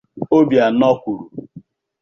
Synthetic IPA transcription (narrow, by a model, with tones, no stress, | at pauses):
o˦bja˨nɔ˦kʷu˨ɾu˨